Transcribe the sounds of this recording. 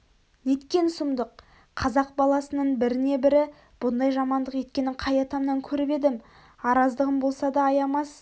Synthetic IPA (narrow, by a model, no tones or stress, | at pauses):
ne̞t̪kʲe̞nsʊmd̪əqʰː | ɑzɑq̚bɑlˠɑsənəɴbɪɾɪne̞bɪɾɪ | b̥ʊnd̪ɑjʒɑmɑnd̪əqje̞t̪̚kʲe̞nɪɴqʰɑjɑt̪ɑmnɑŋkʲʰɵɾɪpe̞d̪ɪm | ɑɾɑzd̪əʁəmbo̞lˠsɑd̪ɑːjɑmɑs